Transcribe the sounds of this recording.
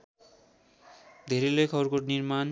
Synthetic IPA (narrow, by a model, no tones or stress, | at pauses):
d̪ʱeɾilekʰɔboɾkoɾniɾman